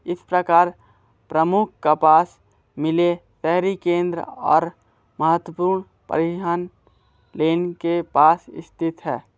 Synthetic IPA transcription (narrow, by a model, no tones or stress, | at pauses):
ɪspɾəkaːɾ | pɾəmʊk̚ʰkapaːs | mɪlet̪ɛɦɾikẽːnd̪ɾəɔ̰ːɾ | mɐɦət̪wəpuːɾɳ | pə̰ɾɪaːn | leːnkepaːsɪ̰st̪ʰɪt̪ɦɛː